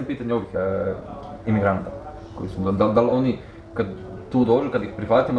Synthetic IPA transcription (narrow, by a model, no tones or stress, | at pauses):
piːt̪aɲeo̞ʋix | imiɡɾant̪a | kojisud̪ond̪ald̪aloni | kad̪ | t̪uːd̪oːd͡ʒukad̪ixpɾiʋaːt̪im